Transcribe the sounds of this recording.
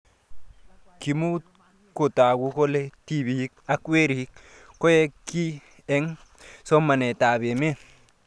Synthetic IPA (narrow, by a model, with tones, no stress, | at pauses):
ki˨mu˦ | ko˨ta˨ku˦ko˦le˦ti˦bi˨hi˦k̚a˦kwe˦ɾi˨hi˦k̚ | ko˦je˦ki˦ | e˦ŋ | so˦ma˨ne˨ta˨be˨me˦